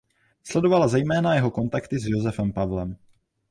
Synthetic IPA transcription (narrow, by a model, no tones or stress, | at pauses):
slɛdo̞valazɛjmɛːnajɛɦo̞ko̞nt̪akt̪ɪzjozɛfɛmpavlɛm